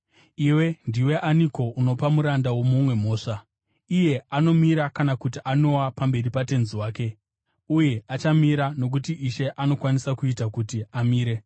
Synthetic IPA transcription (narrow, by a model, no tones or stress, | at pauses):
iwe̞ndiwe̞ʔaniko̞uno̞pamuɾandawo̞mumwe̞mo̞ːʂa | ije̞ano̞miɾakanakutiʔano̞wapambe̞ripate̞nziwaːke̞ | uje̞ʔat͡ʃamiɾano̞k̬utiʔiʃe̞ʔano̞kwanisakuitakutiamiːɾe̞